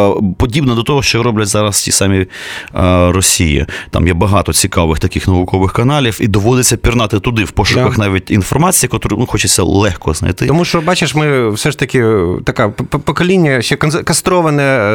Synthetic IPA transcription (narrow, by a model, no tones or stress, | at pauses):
pɔdʲibnɔd̪ɔt̪ɔɦɔʃt͡ʃɔɾɔblʲɐtʲzɑɾɐstʲḭsɑmʲi | rɔsʲijḭt̪ɑ̰mjɛbɐɦɑt̪ɔt͡sʲikɑʋɪxt̪ɐkɪxnɐʋʊkɔʋɪxkɐnɑlʲifid̪ɔʋɔd̪ɪt͡sʲːɐpʲirnɑt̪ɪt̪ʊd̪ɪwpɔʃʊkɐxnɑʋʲitʲinfɔrmɑt͡sʲijikɔt̪ʊɾɪnuxɔt͡ʃɪt͡sʲːɐ̰lˠɛxkɔznɐ̰jt̪ɪt̪ɔmuʃt͡ʃɔbɑt͡ʃɪʂmɪwsɛʂt̪ɐkʲɪt̪ɐkapɔkɔlʲinʲːɐʃɛkɐkɐst̪ɾɔʋɐnɛ